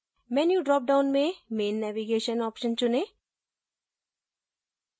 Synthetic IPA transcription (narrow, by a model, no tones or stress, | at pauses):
mɛːnjuɖɾɔːp̚ɖaʊnmẽmeːnːɛʋiɡeːʃənɔːpʃənt͡ɕʊne